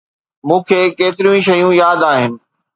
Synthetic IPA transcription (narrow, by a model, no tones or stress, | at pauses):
mũːkʰeːkeːt̪ɪɾijũĩʃɐjũjaːd̪aːɦɪnɪ̆